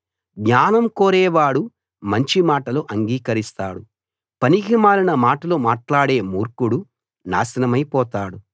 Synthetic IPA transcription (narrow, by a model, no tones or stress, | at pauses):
ɡɲaːnɐmkoːɾɛːʋaːɽu | mɐɲt͡ʃimaːʈɐluʔɐŋɡiːkɐɾist̪a̰ːɽu | pɐniɡimaːlinɐmaːʈɐlumaːʈlaːɽe̞ːmuːɾkuɽu | na̰ːsɐnɐmɐjpɔːt̪aːɽu